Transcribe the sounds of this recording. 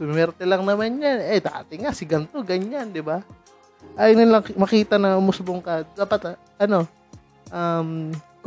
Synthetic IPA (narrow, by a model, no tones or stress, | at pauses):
bɪmmɛɾt̪ɛlaŋnɐmanɲanɛt̪a̰ːt̪ɪŋasɪɡɐnt̪oɡɐɲand̪ɪba | ʔajnɪnlɐmɐkiːt̪ɐnɐʊmʊsbʊŋkad̪aːpɐt̪ | ʔɐno̞ | ʔam